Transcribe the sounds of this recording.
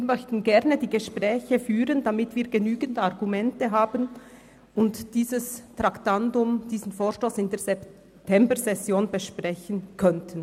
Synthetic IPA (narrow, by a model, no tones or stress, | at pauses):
viːɾmœçtən̩ɡɛʁnədiːɡəʃpʁ̥ɛːçəfyːʁəndamɪtv̥iːɐɡənyːɡən̩daʁɡumɛntəɦaːbən | ʊntd̥iːzəstʁ̥aktandʊmd̥iːzn̩foːʁʃtoːsɪndeːɐzɛp | tʰɛmbəzɛsjoːnbəʃpʁ̥ɛçənkʰœntʰən